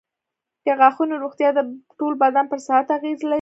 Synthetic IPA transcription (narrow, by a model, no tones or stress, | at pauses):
d̪̥əɣɑxunoɾoɣt̪jɑd̪əʈolbad̪anpəɾsahat̪aɣezlai